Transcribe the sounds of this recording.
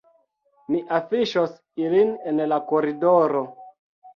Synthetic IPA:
miʔafiʃos | ilinenlakoɾidoɾo

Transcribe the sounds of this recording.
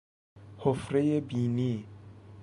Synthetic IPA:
hofɾejebini

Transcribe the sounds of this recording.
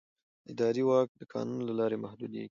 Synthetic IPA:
ɪd̪ɑɾiwɑk̚d̪əkʰɑ̰nunlalɑɾemahd̪ud̪jḛɡi̥

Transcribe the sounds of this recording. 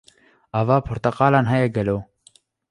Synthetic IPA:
avɑːpʰʊɾt̪ɐqɑːlɑːnɦɛjɛɡɛloː

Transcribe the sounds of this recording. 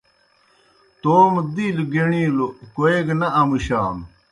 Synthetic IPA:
t̪oːmd̪ilɡeɳilokoeɡnɐɐmuɕaːm

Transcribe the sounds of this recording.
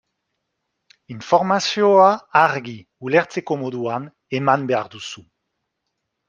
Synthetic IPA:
infoʁmasioaːʁɡi | uleʁt͡sekomoðuan | emanbeaʁd̪usu

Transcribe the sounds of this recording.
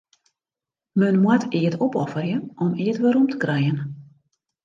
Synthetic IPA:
mønmwatʰiətʰopɔfərjəɔmiətʋəɾumtʰə̥krɛjən

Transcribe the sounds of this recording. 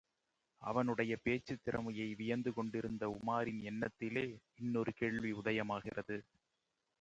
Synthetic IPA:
ʔɐ̰ʋɐnɯɽɐjɐpeːt͡ʃːɯt̪ːɪɾɐmɐjɐɪʋɪjɐnd̪ɯkɔɳɖɪɾɯnd̪ɐʊmaːɾɪnɛnːɐt̪ːɪleː | ɪnːɔɾɯkeːɭʋiʊðɐjɐmaːɣɪrɐðɯ

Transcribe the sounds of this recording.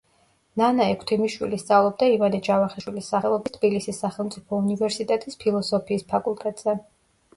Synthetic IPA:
nanaɛkʰt̪ʰimiʃwḭlist̪sʼavlˠɔb̚d̪aivad̪ɛd͡ʒavaχɛʃwilisːaχɛlˠɔbist̪ʰbilisisːaχɛlˠmt̪sʼipʰɔunivɛɾsit̪ʼɛt̪ʼispʰilˠɔsɔpʰiːspʰakʼulˠt̪ʼɛt̪ʼz̥ɛ

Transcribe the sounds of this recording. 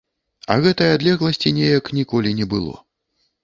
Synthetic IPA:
ɐ̰ɣɛt̪ɐjad̪lʲɛɣlˠɐsʲt͡sʲinʲejɐknʲikɔlʲinʲɛbɨlˠɔ̰

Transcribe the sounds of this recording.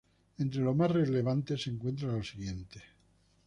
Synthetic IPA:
ẽnt̪ɾelo̞masreleβ̞ant̪e̞seːŋkwe̞nt̪̬ɾalosiɣje̞nt̪e

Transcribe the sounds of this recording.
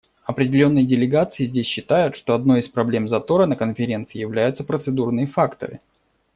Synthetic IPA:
ɐpɾʲɪdʲɪlʲo̞nːɨjədʲɪlʲɪɡat̪sɨjɪzʲdʲesʲɕːɪt̪ajʊt̪ʂt̪o̞ɐd̪no̞jispɾɐblʲe̞mzɐt̪o̞ɾənəkənfʲɪɾʲe̞nt̪sɨjɪjɪvlʲæjʊt̪səpɾət̪sɨd̪urnɨjəfakt̪ə̰ɾɨ̰

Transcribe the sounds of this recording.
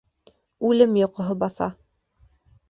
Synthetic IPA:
ʉlɘmjŏqŏɦɤbɑθɑ̰

